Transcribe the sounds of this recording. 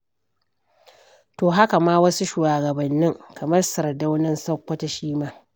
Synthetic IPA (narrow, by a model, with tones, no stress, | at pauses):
toː˨ɦa˦ka˨maː˦wɐ˦su˦ʃuː˨aː˨ɡɐ˨bɐ˨nːɪ˦ŋkʰɐ˨mɐ˦rsɐ˨ɾda˦wnɪ˦nsɐ˦kʷːɐ˦ta˨ʃiː˦maː˦